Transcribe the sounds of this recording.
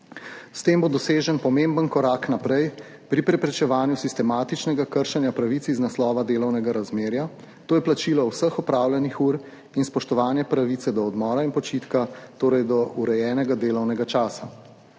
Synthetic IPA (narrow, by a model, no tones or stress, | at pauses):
st̪eːmbod̪ɔseːʒənpɔmembənkɔɾaːknapɾɛj | pɾipɾɛpɾɛt͡ʃɛʋaːnjusist̪ɛmaːt̪it͡ʃnɛɡakəɾʃɛnjapɾaʋit̪siznaslɔːʋad̪eːlɔwnɛɡaɾazmeːɾja | t̪oːjɛplat͡ʃilɔwsəxɔpɾaːwljɛnixuːɾ | inspɔʃt̪ɔʋaːnjɛpɾaʋit̪sɛd̪ɔɔd̪mɔːɾainpɔt͡ʃit̪kat̪oːɾɛjd̪ɔuɾɛjɛːnɛɡad̪eːlɔwnɛɡat͡ʃaːsa